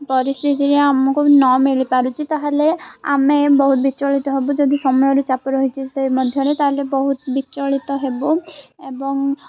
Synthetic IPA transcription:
pɔɾist̪ʰit̪iɾeamɔkunɔmilipaɾut͡ʃʰit̪aɦalea̰mebɔɦut̪̚bit͡ʃɔɭit̪ɔɦebud͡ʒod̪isɔmɔjɔɾut͡ʃapɔɾɔɦit͡ʃʰisemɔd̪ʱjɔɾet̪aɦalebɔɦut̪bit͡ʃːɔɭit̪ɔɦeboebɔŋ

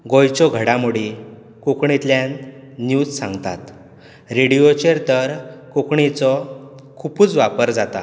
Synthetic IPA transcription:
ɡojt͡ɕɔɡʱəɽãmuɽi | kokɳit̪ljanː | juːd͡zsã̰ŋɡt̪a̰t̪ | ɾeɽijot͡ɕeɾt̪əɾkokɳit͡sɔkʰupuːt͡sʋapəɾd͡zat̪a̰

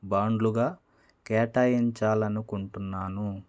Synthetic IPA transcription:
baːɳɖluɡaː | kɛːʈaːjiɲt͡ʃaːlɐnukuɳʈunːaːnu

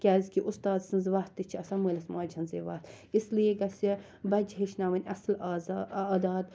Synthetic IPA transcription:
kʲɛːzkiʔust̪aːzsɐnzʋaːt̪ːit͡ʃʰɐsaməːlɐsmaːd͡ʒʱɐnzeːʋaːt̪ʰ | islieɡɐsi | bɐd͡ʒɦeʃnaːʋɐnʲɐslaːd̪aːd̪

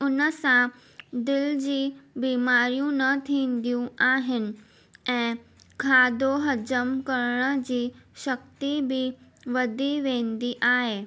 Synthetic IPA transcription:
ʊnəsã | d̪ɪld͡ʑiːbiːmaɾijũnət̪ʰiːnd̪ijũaːɦɪnɪ̆ | ɛ̃ː | kʰaːd̪oɦəd͡ʑəmkəɾɳ̃əd͡ʑiːɕək̚t̪ibʱiʋəd̪ʱiʋẽːnd̪iːʔaːɦeː

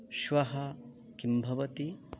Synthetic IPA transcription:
ʃʋɐɦɐ | kimbʱɐʋɐt̪i

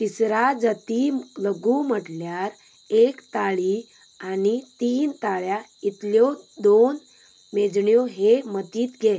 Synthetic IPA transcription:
p̪isɾad͡zət̪iləɡuːməʈljaɾ | ekt̪aɭi | anit̪iːnt̪aɭjait̪ljɔd̪on | med͡zɳjɔɦemət̪iːt̪ɡe

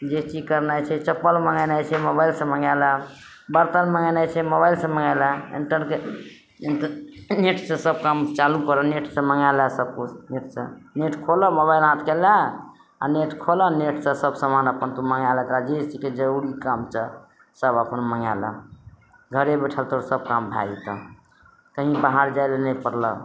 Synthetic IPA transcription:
d͡ʒeʈikəɾnat͡ʃʰɛt͡ʃəpːəlməŋɡənajt͡ʃʰɛmobailsə̃məŋalə | bəɾt̪ənməŋənat͡ʃʰɛmobajlsə̃məŋaləḭɳʈəɾnke | neʈʰsə̃səb̚kamt͡ʃalũkəɾəneʈsə̃məŋaləsəb̚kut͡ʃʰneʈsə̰̃neʈkʰoləmoβailãt̪kela | a̰neʈkʰoləneʈʰsə̃səbsəmanəpənt̪uməŋalɛt̪ɾad͡ʒet̪iked͡ʒəuɾikamt͡ʃʰə | səbəpənməŋa̰lə̰ | ɡʱəɾebəʈʰəlt̪oɾsəb̚kambʱa̰ɡit̪ə | k̪əɦĩbaɦaɾd͡ʒajlenəjpəɾlə̰

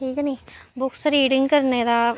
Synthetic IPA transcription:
ʈʰiːkniːbʊksɾiːɖɪŋɡkəɾned̪aː

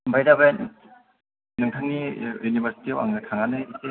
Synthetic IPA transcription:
mbʱajdaben | nɯŋtʰaŋnijunibʱaɾsi̥tiawa̰ŋnɯtʰaŋanɯise

